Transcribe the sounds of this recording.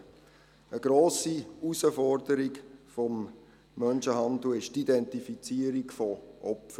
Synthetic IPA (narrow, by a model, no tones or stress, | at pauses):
əɡɾoːsiusəfɔɾdəɾikfɔmː | œnʃəhɑnd̪l̩ɪʃtidɛntifit͡siəɾikfɔʔɔpfə